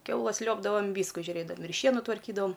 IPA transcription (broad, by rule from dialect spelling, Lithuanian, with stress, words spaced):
ˈkʲɛʊlˠɐs ˈlʲuɔbdɐʋɐm ˈʋʲiːskʊ ʒʲʊˈrʲeːdɐm ɪr ˈʃʲiɛnʊ tʋɐrʲˈkʲiːdɐʋɐm